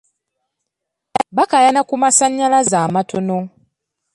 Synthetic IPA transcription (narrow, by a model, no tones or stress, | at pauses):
βakajanakumasaɲːalazaːmatʰono